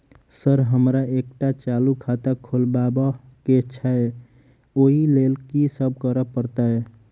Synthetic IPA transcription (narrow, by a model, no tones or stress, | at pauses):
səɾɦəmɾaek̚ʈat͡ʃalukʰat̪akʰolbabəket͡ʃʰəe | oɦilelkisəb̚ʱkəɾəpəɾt̪ae